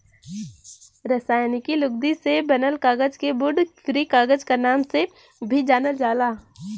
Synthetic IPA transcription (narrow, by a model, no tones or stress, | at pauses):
ɾəsaːjnikilʊɡ̚d̪isebɐnəlkaːɡəd͡ʒkebʊɖkɾiːkaːɡəd͡ʒkanaːmse | bʱid͡ʒaːnəld͡ʒaːlaː